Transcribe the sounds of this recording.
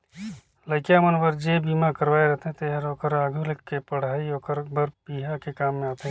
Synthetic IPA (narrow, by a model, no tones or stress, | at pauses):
ləɪkjamənbəɾd͡ʒebiːmakəɾʋaːeɾɛɦt̪eɦɛ̃t̪eɦɾoːkəɾaːɡʱulkkːepəɽ̤aːioːkəɾbəɾpiːɦakekaːmːẽaːt̪eɦɛ̃